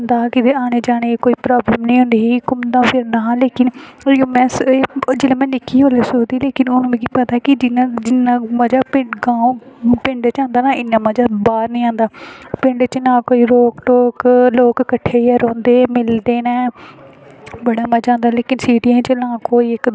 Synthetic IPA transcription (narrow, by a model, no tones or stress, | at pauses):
nd̪aːkɪd̪eaːneːd͡ʒaːɽ̃eːkoːiːpɾaːbləmnĩːɦʊ̃nd̪eːɦiːkʊmd̪ãːpʰɪɾnaːleːkɪnoːmɛ̃ːseːd͡ʒeːlẽːmɛ̃ːnɪkʰːiːɦoːleːsoːd̪iːleːkɪnʊnũːmɛ̃ːkiːpət̪aːkɪd͡ʒɪnãːd͡ʒɪnːãːməd͡ʒaːpɪɡãːõpɪ̃ɳɖt͡ʃãːnd̪aːnaːɪnːãːməd͡ʒaːbaːɾnəĩːãːnd̪aːpɪ̃ɳɖt͡ʃnãːkoːiːɾoːkʈoːkloːkːəʈʰːeːaɾõːnd̪eːmɪld̪eːnɛː | bəɽaːmaːd͡ʒãːnd̪aːleːkɪnsiːʈiːɛ̃ːt͡ʃelãːkoːiːɪk